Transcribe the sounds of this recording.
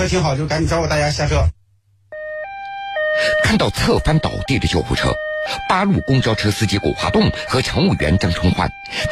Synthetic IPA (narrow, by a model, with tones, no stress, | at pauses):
t̪ʰi˧˥ŋxɑ˨˩ʊt͡ɕjo˥˩ka˧˥ni˨˩ʈ͡ʂʊwɔ˩t̪a˥˩t͡ɕja˥ɕja˥˧˩ʈ͡ʂʰɤ˥˩ | kʰa˥˧nt̪ɑ˥˧ʊt͡sʰɤ˥˩fa˥nt̪ɑ̰˨˩ʊt̪i˥˩d̪ə˩t͡ɕjo˥˧ʊxṵ˥˩ʈ͡ʂʰɤ̰˥pa˥lu˥˩kʊ˥ŋt͡ɕjɑ˥ʊʈ͡ʂʰɤ˥sɹ̩˥t͡ɕi˥kɔ̰˨˩xwa̰˧˥t̪ʊ˥˩ŋxɤ˧˥ʈ͡ʂʰɤ˧˥ŋu˥˩ɥɛ̰˧˥nʈ͡ʂɤ˥˩ŋʈ͡ʂʰʊ˥ŋxwa̰˥˩n